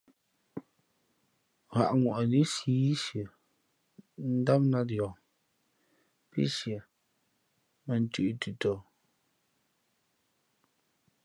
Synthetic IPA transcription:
ɣa̰˨ʔŋwɔ˨ʔni˦siː˨˦ʃjə˨ | n̩˦da˦m̚na˦djɔ˨ | pḭ˦sjə˨ | mɛ˨n̩˦tʉ˨ʔtu˨tɔ˨

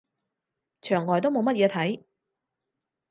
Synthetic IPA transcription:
t͡ʃʰœː˨˩ŋːɔː˨˩jt̪̬wmo˨˧wmɐ˥t̚jɛː˨˧t̪ʰɐ˨˥j

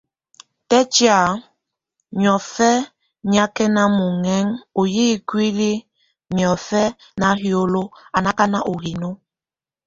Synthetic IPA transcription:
tɛ˦t͡ʃja˨ | m˨ɔ˨fɛ˦ | ɲ˨a˦kɛ˦na˦mu˨ŋɛ˦ŋo˨jiː˦˨kwi˦li˦ | mjɔ˨fɛ˦ | na˨ɦjo˦lo˦a˨na˦ka˦na˦ʔo˨ɦi˨no˦

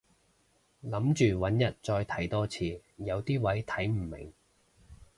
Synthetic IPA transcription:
lɐ˨˥mt͡ʃyː˨wɐ˨˥njɐ˨˩t̚t͡ʃɔː˧jt̪ʰɐ˨˥jt̪ɔː˥t͡sʰiː˧jɐ˨˧wt̪iː˥wɐ˨˥jt̪ʰɐ˨˥jm̩˨˩mɪ̰˨˩ŋ

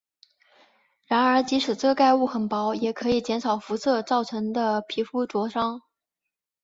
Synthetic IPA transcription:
ɻa˧˥nə˞˧˥t͡ɕi˧˥ʂɻ̩˨˩t͡sɤ˥˧ka˥˧ɪu˥˩xə˨˩npɑ˧˥ʊjɛ˨˩kʰɤ˧˥i˨˩t͡ɕjɛ˧˥nʂʰɑ˨˩ʊfu˧˥sɤ˥˧t͡sɑ˥˩ʊʈ͡ʂʰɤ˧˥ŋd̪ə˧pʰi˧˥fu˥ʈ͡ʂwɔ˧˥ʂɑ˥ŋ

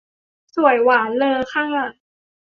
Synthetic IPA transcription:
su˨˩əjwaː˩˦nlɤː˧xʰaː˥˩ŋʔa˨˩

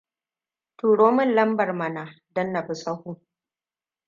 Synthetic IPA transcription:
tuː˨ɽoː˦mʊ˦nlɐ˦mbɐ˨rmɐ˨na˨ | dɐ˦nːa˨bʊ˨sɐ˦hu˦

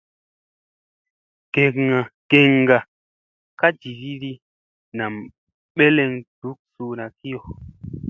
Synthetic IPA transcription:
ke˨kŋa˨ke˨ŋɡa˨ | ka˦d͡ʒi˨ɾi˦ɾi˦ | na˨m | ɓe˦le˧ŋd̥u˨˦k̚su˨na˨ki˦jo˨

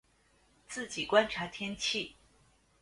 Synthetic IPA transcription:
t͡sɹ̩˥˩t͡ɕi˨˩kwa˥nʈ͡ʂʰa˧˥t̪ʰjɛ˥nt͡ɕʰi˥˩

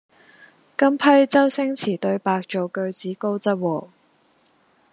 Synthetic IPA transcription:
kɐ˥mpʰɐ˥jt͡sɐ˥wsɪ˥ŋt͡sʰiː˨˩t̪ɵ˧ɥpaː˧k̚t͡ʃo˨wkɵ˧ɥt͡siː˨˥ko˥wt͡sɐ˥t̚wɔː˨˩

